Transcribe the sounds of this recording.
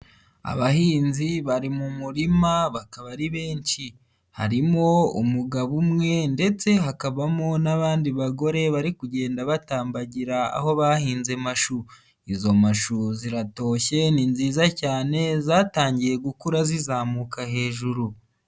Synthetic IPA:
a̰βahiːnziβaɾimumuɾimaβakaβaɾiβe̞ːɲt͡ʃi | ha̰ɾimo̞ṵmuɡaβumŋe̞nde̞t͡se̞ɦakaβamonaβaːndiβaɡo̞ɾe̞βaɾikuɟe̞ːndaβataːmbaɟiɾaa̰ho̞βahiːnze̞maʃu | izo̞maʃuziɾato̞ːçe̞ninziːzacaːne̞zaːtaːɲɟije̞ɡukuɾazizaːmukahe̞ːʒuɾu

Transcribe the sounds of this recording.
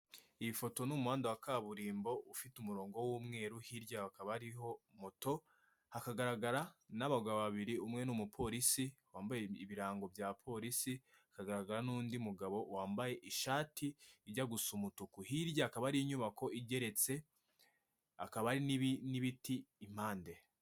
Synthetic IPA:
iβifo̞to̞numuhaːndawakaβuɾiːmbo̞ufitumuɾo̞ːŋɡo̞wuːmŋe̞ːɾuhiɾɟaakaβaɾiɦo̞moto̞ | hakaɡaɾaɡaɾanaβaɡaβaβaβiɾiumŋe̞numupʰo̞ɾisiwaːmbajeiβiɾaːŋɡo̞bjaːpʰo̞ːɾisi | akaɡaɾaɡaɾanuːndimuɡaβo̞waːmbaje̞ʔiʃaːtʰiiɾɟaɡusumutukuhiɾɟaːkaβaɾiɲuβako̞ʔiɟe̞ɾe̞t͡se̞ | akaβaɾininiβitiːm̥aːnde̞

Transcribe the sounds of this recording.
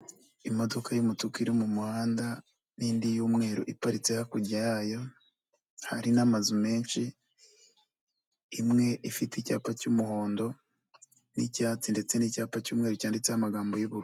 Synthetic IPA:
imo̞do̞kʰajumutukiɾimumuhaːnda | niːndijuːmŋe̞ːɾoʔipaɾit͡se̞hakuɟajajo̞ | haɾinamazume̞ːnʃi | mŋe̞ʔifitica̰ːpacumuho̞ːndo̞ | nḭcaːt͡sinde̞t͡se̞nicaːpacuːmŋe̞ːɾucaːndit͡sehamaɡaːmbo̞juβuɾu

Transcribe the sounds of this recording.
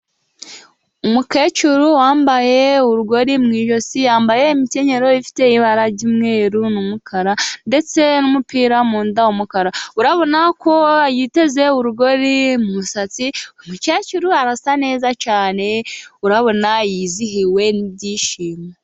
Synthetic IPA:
umuke̞ːcuɾuwaːmbaje̞uɾuɡo̞ɾimŋiːʒo̞sijaːmbaje̞imiceɲe̞ɾo̞ifi̥te̞iβaɾaɟimŋe̞ːɾunumukʰaɾande̞t͡se̞numupiːɾamuːndaumukaɾauɾaβo̞nako̞jite̞ze̞uɾuɡo̞ɾimuβusat͡siumukecuɾuaɾasane̞ːzat͡ʃaːne̞uɾaβo̞najiziɦiwe̞nibɟiːʃiːma

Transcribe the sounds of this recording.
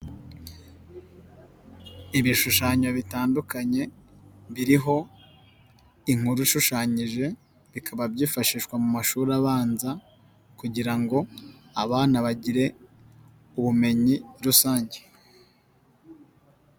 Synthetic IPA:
iβiʃuʃaːɲoβitaːndukaɲe̞βiɾiɦo̞ | iŋ̥uɾuʃuʃaːɲiʒe̞ | βikʰaβabjiːfaʃiʃkwamumaʃuːɾaβaːnza | kuɟiɾaŋɡo̞ | aβaːnaβaɟiɾe̞ | uβume̞ɲiɾusaːɲɟe

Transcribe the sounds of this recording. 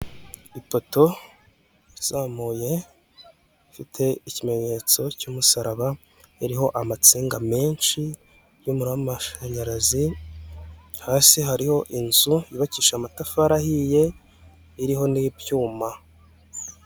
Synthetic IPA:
ipo̞to̞ | iz̥aːmuːje̞ | fitʰe̞icime̞ɲe̞t͡so̞cuːmusaɾaβa | iɾiho̞ʔamat͡siːŋɡame̞ːnʃi | jumuɾamaʃaɲaɾazi | haːsiɦaɾiho̞ʔinzujiβaciːʃamatafaɾahije̞ | iɾiɦo̞nibjuːma

